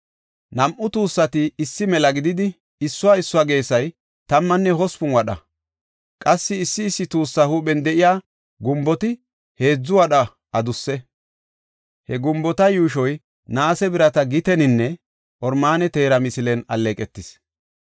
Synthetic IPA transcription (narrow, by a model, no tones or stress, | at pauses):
nɐmʔʊt̪uːsːɐt̪ɪːsːɪmɛlɐɡɪd̪ɪd̪ɪ | ɪsːʊwaːɪsːʊwaːɡe̞ːsɐj | t̪ɐmːɐnːɛɦɔspʊnwɐɗɐ̰ | kʼɐsːɪːsːɪːsːɪt̪uːsːɐhuːɓɛnd̪ɛʔɪjaː | ɡʊmbɔt̪ɪ | he̞ːd͡zːʊwɐɗɐ | ɐd̪ʊsːɛ | hɛɡʊmbɔt̪ɐjuːʃɔj | naːsɛbɪɾɐt̪ɐɡɪt̪ɛnɪnːɛ | ʔɔɾmaːnɛt̪e̞ːɾɐmɪsɪlɛnɐ̰lːeːkʼɛt̪ːɪs